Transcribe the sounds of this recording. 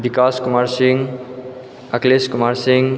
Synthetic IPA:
bikaːskɔmaɾsiŋɡ | əkleskɔmaɾsiŋɡ

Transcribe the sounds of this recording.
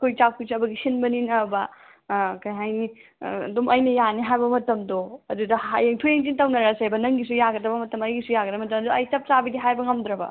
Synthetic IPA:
kʰojt͡ʃakʰusiɐbɐɡisinbɐninɐbɐ | kɐjɦajnidumʔɐjnɐjaniɦajbɐmɐtɐmdoɐdudɐajeŋtʰojeŋtintɐwnɐɾasajbɐnɐŋɡis̬ujaɡɐdɐbɐmɐtɐmɐjɡisujaɡɐdɐmɐtɐmɐdɐjt͡ʃɐp̚t͡ʃabidiɦajbɐŋɐmd̪ɾɐbɐ̰

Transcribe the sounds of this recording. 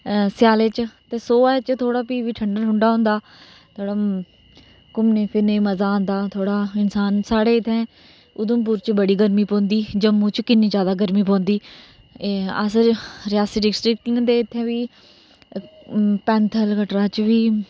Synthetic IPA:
sɪjaːleːt͡ʃt̪eːsoːaːet͡ʃt̪ʰoːɽaːpiːʋiːʈʰəɳɖəɾɦʊɳɖaːɦõːnd̪aː | t̪ʰoːɽaː | kʊmneːpʰɪɾneːməzãːnd̪aːt̪ʰoːɽaːɪnsaːnsaːɽeːɪt̪ʰːɛ̃ː | ʊd̪əmp̬uːɾt͡ʃbəɽiːɡəɾmiːpõːnd̪iːd͡ʒəmːõːt͡ʃkɪnːĩːd͡ʒjaːd̪aːɡəɾmĩːpɔ̃ːnd̪iː | əsəɾɪjaːsiːɖɪɡsʈɾɪkʈɪŋd̪eːɪt̪ʰːẽːʋiː | pɛ̃ːnt̪ʰəlkəʈɾãːt͡ʃʋiː

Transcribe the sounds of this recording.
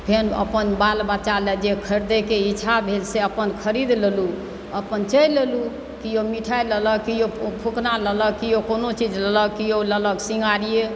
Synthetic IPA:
pʰenə̰pənbalbət͡ʃalɛd͡ʒekʰəɾd̪ekeit͡ʃʰabʱelseəpənkʰəɾid̪lelu | əpənt͡ʃəjlelu | kijomiʈʰajlələkijopʰuknalələkijokonot͡ʃid͡ʒlələkijolələɡsiŋɡaɾije

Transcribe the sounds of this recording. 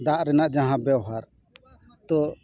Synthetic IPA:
d̪aʔɾɛnaʔd͡ʒaɦãbɛwɦaɾ | t̪ɔ

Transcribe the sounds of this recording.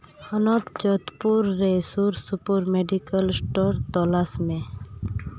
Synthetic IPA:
ənɔt̪t͡ʃɔt̪puɾːesuɾsupuɾmeɖikəlsʈɔɾt̪ɔlasmẽ

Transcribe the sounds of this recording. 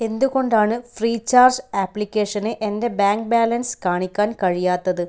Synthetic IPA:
e̞nd̪uɣo̞ɳɖaːɳɨfriːt͡ɕːaːrd͡ʑaːpːlikʲːeːʂɐneʔende̞baːŋk̚baːlɐnskaːɳikʲːaːnkɐɻijaːt̪ːɐðɨ

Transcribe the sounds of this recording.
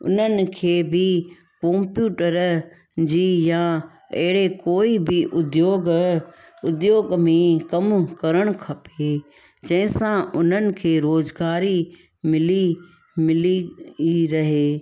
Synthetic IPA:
ʊ̰n̤ənɪ̆kʰeːbʱɪ | kõːmpjuːʈəɾ | d͡ʑiːjã | ɐɦɪɽekoːibɪʔʊd̪joːɡ | ʊd̪joːɡmẽkɐmkɐɾəɽ̃kʰɐpe | d͡ʑɐ̃ɦɪ̃sãʔʊn̤ənɪ̆kʰeːɾoːzɡaːɾi | mɪli | mɪli | ɾɐɦeː

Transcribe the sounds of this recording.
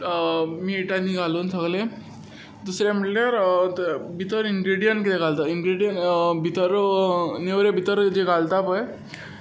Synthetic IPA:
miːʈanːiːɡʱaluːnsəɡlẽ | d̪usɾjaməʈljaɾ | bʱit̪əɾiŋɡɾiɽijəɳʈkit̪eɡʱalt̪aiŋɡɾiɽjənbʱit̪əɾneʋɾebʱit̪əɾd͡ʑeɡalt̪apəj

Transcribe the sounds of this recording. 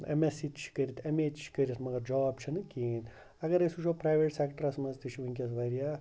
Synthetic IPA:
ḛmesit̪t͡ʃʰi̥kɐɾʲit̪ʰɐmeːd͡ʒt͡ʃʰi̥kɐɾʲit̪mɐɡɐɾd͡ʒɔːbt͡ʃʰɐnɨkʲin | ɐɡɐɾɐsuʃʰopɾaːʋeʈsekʈɐɾɐsmɐzt̪it͡ʃʰiʋuŋʲkʲɐs̬ʋɐɾijaː

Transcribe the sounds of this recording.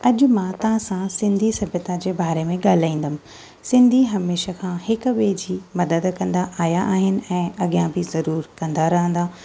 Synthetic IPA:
ɐʄʊmãt̪ɐɦãsãsɪ̃nd̪ʱisɐbʱjət̪ad͡ʑeːbaːɾemẽɡaːl̤aːĩːn̆d̪əmɪ̃̆ | sɪ̃nd̪ʱiɦɐmeːʃəkʰãːhɪkʊʋeːd͡ʑimɐd̪əd̪kɐ̃nd̪aʔaːjaʔaːɦɪnɪ̆ɛ̃ːʔɐɠijãbɪzɐɾuːɾkɐ̃nd̪aɾɐɦə̃nd̪aː

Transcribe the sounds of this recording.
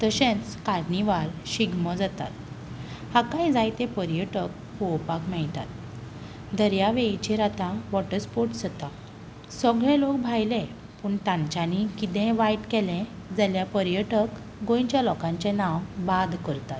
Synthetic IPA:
t̪əɕɛ̃t͡skaɾniʋaɾɕiɡməd͡zat̪a̰t̪ | hakãjd͡zajt̪epəɾjəʈək̚ | powpakmɛɭt̪a̰t̪̚ | d̪əɾjaʋet͡ɕiɾat̪ãʋɔʈəspoɾʈd͡zət̪a | səɡɭɛ̃lok̚bʱajlɛ̃ | puːɳt̪ãɲt͡ɕanikit̪ɛ̃ʋajʈkɛlɛ̃ | d͡zaljapəɾjəʈək | ɡõjt͡ɕjalɔkãɲt͡ɕɛ̃nawbad̪kəɾt̪at̪̚

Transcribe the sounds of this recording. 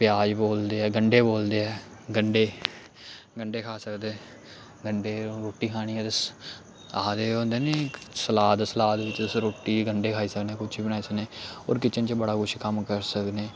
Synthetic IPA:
pɪjaːd͡ʒboːld̪eːɛːɡəɳɖeːboːld̪eːɛː | ɡəɳɖeː | ɡəɳɖeːkʰaːsəkd̪eː | ɡəɳɖeːɾoːʈːiːkʰaːɽ̃iːɛːd̪əs | aːd̪eːõːnd̪eːneːsəlaːt̪səlaːd̪ʋɪt͡ʃd̪əsɾoːʈːiːɡəɳɖeːkʰaːiːsəkneːkʊt͡ʃʰiːbənaːiːsəneːɔ̰ːɾkɪt͡ʃənt͡ʃbəɽaːkʰʊʃʰkəmkəɾsəkneː

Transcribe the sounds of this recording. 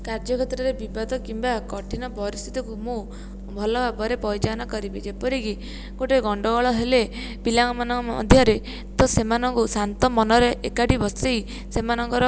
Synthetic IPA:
kaɾd͡ʒɔkʰɔt̪ɾɔɾebibad̪ʱɔkimbakɔʈʰinɔpɔɾist̪ʰit̪ɔkumũ | bʱɔlɔbabɔɾepɔjt͡ʃanakɔɾibid͡ʒepɔɾiki | ɡ̥oʈeɡɔɳɖɔɡɔɭɔɦele | pilaŋmanɔɔ̰d̪ʱjaɾe | t̪ɔsemanɔŋkusant̪ɔmɔnɔɾeʔekaʈibɔstej | semanɔŋkɔɾɔ

